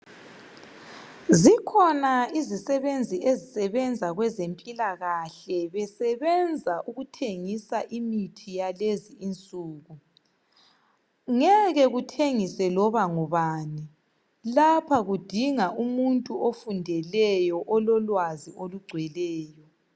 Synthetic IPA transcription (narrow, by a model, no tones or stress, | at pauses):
zikʰɔnaizisɛβend͡zʱiʔezisɛβɛnd͡zʱaɣwɛzempʼilaɣaɬɛβɛsɛβɛnd͡zʱaʔuɣutʰeŋisaʔimitʰijaleziːnt͡sʼuːɣu | ŋɛɣɛɣutʰeŋisɛlɔβaŋɔβaːni | lapʰaɣud̥ʱiŋaʔumuntʼuofundʱɛlɛjɔʔɔlɔlwazioluɡ͡ǀʱwɛlɛːjɔ